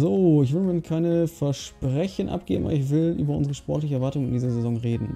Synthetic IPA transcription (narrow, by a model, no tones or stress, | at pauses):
zoːɪç̬v̥ɪdəmɪkʰaɪnəfɛɐʃpʁ̥ɛçənʔa̰p̚ɡ̥ḛːbm̩ʔa̰bɪçv̥ɪlʔy̰ːbɐʔʊnzəʁəʃpɔɐtlɪçəɛɐvaɐtʊŋəɪndiːzɐzezɔŋʁeːdn̩